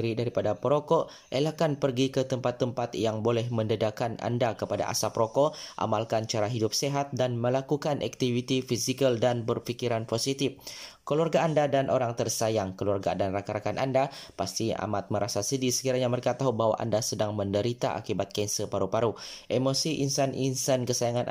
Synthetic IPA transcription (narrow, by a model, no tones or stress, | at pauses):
ɾidaɾipadapɾoko | ʔelakanpərɡikət̪əmpat̪ːəmpat̪jaŋbolɛhməndədakanʔa̰ndakəpada̰ʔa̰sapɾokoʔa̰malkant͡ʃaɾaɦidʊp̚seɦat̪̚danməlakukanʔa̰k̚t̪ivit̪ifisikəldanbərfikiɾanposit̪ifkəluarɡaːndadanʔoɾaŋt̪ərsajaŋkəluarɡa̰danrakaɾakanʔa̰ndapast̪ia̰mat̪̚məɾʔasasədisə̥kiɾaɲaməɾekat̪aɦubaɦwa̰ʔa̰ndasədaŋməndəɾit̪a̰ʔa̰kibat̪̚kansəpaɾupaɾuʔemosiʔinsanʔinsankəsajaŋanʔ